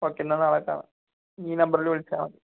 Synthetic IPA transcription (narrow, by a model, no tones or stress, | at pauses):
oːkːenːɐnɐɭɐkːa̰ːɳɨ̰ | iːnɐmbɐɾilʋeɭit͡ɕːaːɳɐi